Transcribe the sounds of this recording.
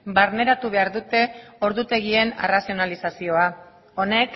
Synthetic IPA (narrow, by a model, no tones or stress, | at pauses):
baɾne̞ɾat̪uβ̞e̞aɾðut̪e̞o̞ɾðut̪e̞ɣ̞ie̞nḛrasio̞nalisasio̞a | o̞ne̞k